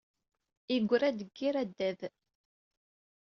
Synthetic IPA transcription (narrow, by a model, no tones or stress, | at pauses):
iɡʷːɾæd̪əɡːiɾæd̪ːæð